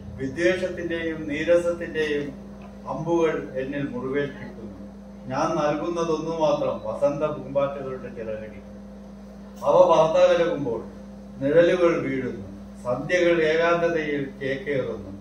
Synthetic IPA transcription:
ʋid̪ːe̞ːʂɐt̪ːinde̞jumniːɾɐsɐt̪ːinde̞jum | ɐmbuɣɐɭe̞nːilmuruʋe̞ːpikʲːunːu | ɲaːnnɐlkunːɐðo̞nːumaːt̪rɐmpɐsɐnd̪ɐbumbaːtːɐðoʈːet͡ɕiɾɐɾɐɣikʲːunːu | ɐʋɐʋaːrt̪aːʋɐɾɐɣumbo̞ːɭ | niɻɐluɣɐɭʋiːɽunːu | sɐd̪jɐɣɐɭe̞ːɣaːd̪ɐðɐjilke̞ːkːɐjɐrunːu

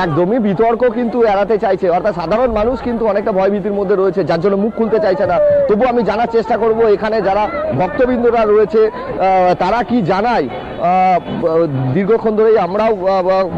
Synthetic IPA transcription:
ɛk̚d̪omibit̪ɔɾkokint̪uɛɽat̪et͡ɕajt͡ɕʰeɔɾt̪ʰat̪ʃad̪ʱaɾonmanuʃkint̪uɔnek̚ʈabʱɔebʱit̪iɾmod̪ʱːeɾoet͡ɕʰed͡ʑaɾd͡ʑonːomukʰːult̪et͡ɕajt͡ɕʰenat̪obuamid͡ʑanaɾt͡ɕeʃʈakoɾboekʰaned͡ʑaɾabʱɔk̚t̪obind̪ʱoɾaɾoet͡ɕʰe | t̪aɾakid͡ʑanaj | d̪iɾɡʱokʰond̪ʱoɾejamɾao

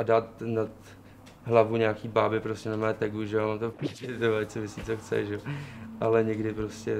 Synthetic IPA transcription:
ʔadaːt̪nat̪ | ɦlavuɲakiːbaːbɪpɾoscɛnamɛːt̪ɛɡuʒɛoamaːmt̪oiɪt̪ovact͡somɪsit͡soxt͡sɛ̰ʒɛoʔalɛɲɛɡdɪpɾo̞scɛ

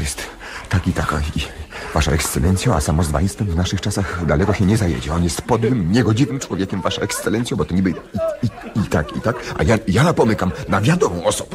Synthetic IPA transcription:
jɛst̪ː | akit̪aka̰ivaʂa̰ɛkst̪sɛlʔɛnt̪sʲjɔ̃a̰samɔzd̪va̰ist̪ɛmvnaʂɘxt͡ʂasaxd̪alɛkɔɕɛɲɛzajḛd͡ʑɛ̰ɔnjɛst̪pɔd̪wɘmɲɛɡɔd͡ʑivɘmt͡ʂwɔvʲjekʲɛmvaʂɔ̃ɛkst̪sɛlɛnt̪sʲjɔ̃bɔt̪ɔɲibɘiit̪akḭt̪akʔa̰jajapɔmɘkamnavʲjad̪ɔmɔ̃w̃ɔsɔbɛ

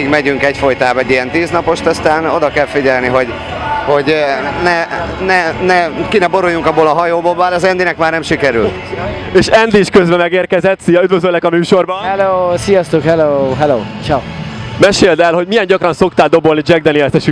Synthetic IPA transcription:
iɡmɛɟyŋkɛcfo̞jt̪aːbɛɟːijɛnt̪iːznɒpo̞ʃt̪ɒst̪aːno̞d̪ɒkɛlfiɟɛlniɦo̞ɟ | ho̞ɟnɛnɛnɛkinɛbo̞ɾujuŋkɒbːoːlɒɦɒjoːboːlbaːlɛzɛnd̪inɛkmaːrnɛmʃikɛɾy̰lt̪ | eːʃɛnd̪iʃkøzbɛmɛɡeːrkɛzɛt̪sijɒyd̪vøzølːɛkɒmyːʃo̞rbɒhɛloːsijɒst̪ukhɛloːɦɛlo̰ːt͡ʃawmɛʃeːld̪ɛlho̞ɟmijɛɲɟɒkrɒnso̞kt̪aːld̪o̞bo̞lnid͡ʒɛɡ̚d̪ɛniɛt̪ɛʃy

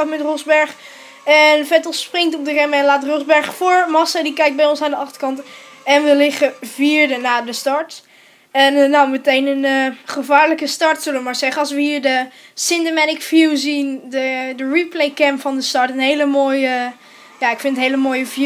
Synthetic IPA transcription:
ɑtmɛtrɔzbɛɹχ | ɛnfɛtəlˠsprɪŋtɔp̚dərɛmɛnlaːtrɔzbɛɹχfʊːɹmɑsadikɛjk̚bɛjɔnsaːndəʔɑχtəɹkɑnt | ɛnʋəlɪχəviːɹdənaːdəstɑɹt | ɛnːawmətejnənəχəvaːɹləkəstɑɹtsɵləʋəmaːɹzɛχəɑlˠs̬ʋəɦiːɹdə | sɪndəmɛnɪkfjuwzindədəɹiplejkɛmpfɑndəstɑɹtənɦejləmoːjə | jaːɪkfɪntətɦejləmoːjəv

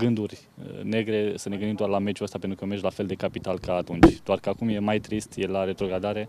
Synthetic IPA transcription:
ɡɨnd̪urʲ | ne̞ɡɾe̞səneɡɨnd̪imd̪oarlame̞d͡ʒuəst̪apet̪ɾukəmeʃʲlafeld̪e̞kapit̪alkaːt̪unt͡ʃʲdd̪oarkəakumje̞majt̪ɾist̪jelaɾe̞t̪ɾo̞ɡɾad̪aɾe̞

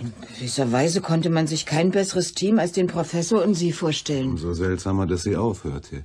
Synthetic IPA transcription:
ʔɪnɡəvɪsɐvaɪzəkʰɔntəmanzɪçkʰaɪnbɛsəʁəstʰiːmalsd̥eːnpʁ̥ofɛsoːɐʊntz̥iːfoːɐʃtɛlənzozɛltz̥aːmɐdasz̥iːʔaʊfhø̰ːɐtʰə

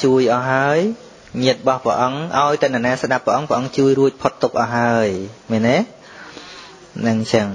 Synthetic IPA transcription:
t͡ɕuəjʔɑːɦaəj | ɲiət̪̚ɓɑhprɛ̰ʔɑŋʔaɔjt̪ɛnaːnaɛsɗapːrɛʔɑŋprɛ̆ʔɑŋt͡ɕuəjruəc̚pʰot̪ːuk̚ʔɑːɦaəjmɛnːɛː | nɨŋt͡ɕəŋ

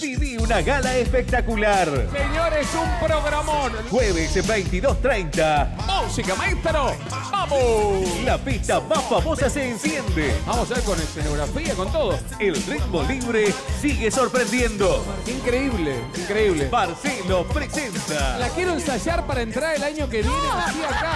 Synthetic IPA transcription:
siðiunaɣalaespek̚t̪akulaɾseɲoɾesumpɾoɣɾamonxweβesbejnt̪iðost̪ɾejnt̪amusikamaest̪ɾo | bamolapist̪amasfamosaseːnsjend̪ebamosaβeɾkonesenoɣɾafiakont̪oðos | elrit̪moliβɾesiɣesoɾpɾend̪jend̪oiŋkɾeiβleiŋkɾeiβlebaɾselopɾesent̪alakjeɾoensaʒaɾpaɾaent̪ɾaɾelaɲokeβjenetiaka

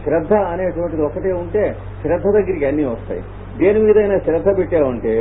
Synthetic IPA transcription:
ʃɾɐd̪ʱːɐɐneːʈuʋɐɳʈid̪iɔkɐʈeːuɳʈeː | ʃɾɐd̪ʱːɐd̪ɐɡːɐɾikiɐnːiːʋɐst̪a̰ːjḭ | d̪eːlimiːd̪ɐjnɐːʃɾɐd̪ʱːɐbiʈːeːɐɳʈeː

